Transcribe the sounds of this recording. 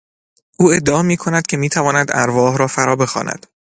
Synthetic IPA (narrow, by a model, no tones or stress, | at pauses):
ʔuːe̞d̪ːeɒːmiːkʰo̞næd̪̥̚cʰe̞miːt̪ʰævɒːnæd̪æ̰ɾvɒːɦɾɒːfæɾɒːbe̞xɒ̰ːnæ̰d̪̥